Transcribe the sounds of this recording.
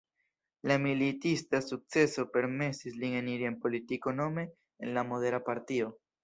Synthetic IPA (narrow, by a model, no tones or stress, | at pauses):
lamilitistasuk̚t͡se̞so̞pe̞ɾme̞sisline̞niɾienpo̞litiko̞no̞me̞ | ḛnlamo̞de̞ɾapaɾtio̞